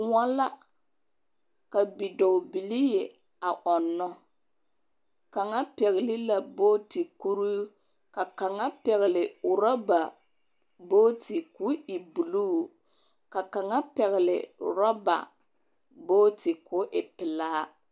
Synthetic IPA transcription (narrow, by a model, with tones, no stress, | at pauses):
ŋa˦la˦ | ka˨bi˨do˨bi˨lɪ˦je˨ | a˨ʔɔ˨nːɔ˦ | ka˨ŋa˦pɛ˨ɣɪ˨lɪ˦la˨boː˦ti˨ku˦ɾu˦ | ka˨ka˨ŋa˦pɛ˨ɣɪ˨lɪ˨ʊ˨ɾɔ˦ba˨ | boː˦ti˨ku˦ɪ˨bu˨lu˦˨ | ka˨ka˨ŋa˦pɛ˨ɣɪ˨lɪ̰˨ʊ̰˨ɾɔ˦ba̰˨ | boː˦ti˨kʊ˦ʔɪ˨pɪ˨laː˦